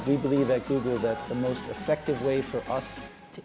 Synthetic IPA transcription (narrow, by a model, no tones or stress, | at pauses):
wibɨlivɨt̚ɡ̥uɡl̩ˠðɨt̪̚ðəmoʊstɨfɛk̚tɨvweɪfə˞ʔʌs | tʰɨ